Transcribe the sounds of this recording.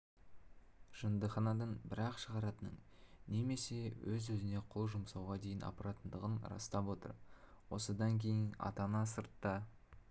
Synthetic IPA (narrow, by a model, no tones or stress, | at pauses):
ʒ̥ənd̪əχɑnɑd̪əɴbɪɾɑqʃəʁɑɾɑt̪ənə̰ɴne̞me̞se̞wɵzɵzɪne̞qʰʊlˠʒʊmsɑwʁɑd̪e̞jɪnɑ̰pɾɑt̪ənd̪əʁənɾɑ̰st̪ɑpwo̞t̪ə̰ɾ | wo̞səd̪ɑŋkʲʰe̞jɪnɑ̰t̪ɑnɑsəɾt̪ːɑ